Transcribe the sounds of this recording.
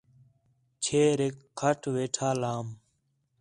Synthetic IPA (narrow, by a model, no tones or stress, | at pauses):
t͡ʃʰeːɾekʰːəʈʰʋeːʈʰaːlaːm